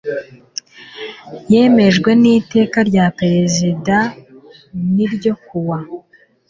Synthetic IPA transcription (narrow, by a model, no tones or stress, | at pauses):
jeːme̞ʒɡwe̞niːte̞ːkaɾɟapeɾe̞zida | niɾɟo̞kuwa